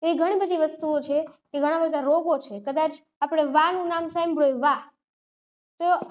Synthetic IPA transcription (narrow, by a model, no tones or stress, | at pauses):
eɾiɡʱəɽ̃ibəd̪ʱiʋəst̪uot͡ʃʰekeɡʱəɽ̃ãbəd̪ʱaɾoɡot͡ʃʰekəd̪at͡ʃ | apɽ̃eʋanũnamsaimbʱɽojʋa | t̪o